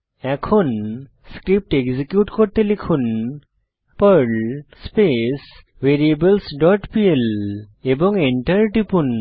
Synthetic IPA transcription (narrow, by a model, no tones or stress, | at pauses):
ɛkʰon | skɾip̚ʈeɡzikjuʈkɔɾt̪elikʰun | pəɾlspes | ʋeɾiebəlsɖɔʈpielebɔŋeɳʈəɾʈipun